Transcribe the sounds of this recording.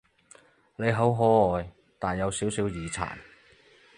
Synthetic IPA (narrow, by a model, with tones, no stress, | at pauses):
ne˨˧jɦo˨˥wɦɔː˨˥ɔː˨j | t̪aː˨˩njɐ˨˧wsiː˨˥wsiː˨˥wjiː˨˧t͡sʰa̰ː˨˩n